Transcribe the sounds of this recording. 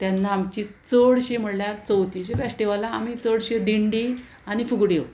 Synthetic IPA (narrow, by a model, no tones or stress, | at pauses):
t̪janːaːmt͡ɕit͡səɽɕem̤əɽljaɾt͡səwt̪iɕefesʈiʋalaːmit͡səɽɕed̪iɳɖi | anifuɡɽjew